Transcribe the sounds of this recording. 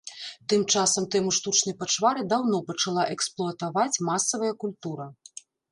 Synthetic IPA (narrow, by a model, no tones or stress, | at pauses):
t̪ɨmt͡ʂasɐmt̪ɛmuʂt̪ut͡ʂnɐjpat͡ʂvaɾɨd̪awnɔpɐt͡ʂalˠaʔɛksplˠʊɐt̪avat͡sʲmasɐvɐjɐkulʲt̪uɾɐ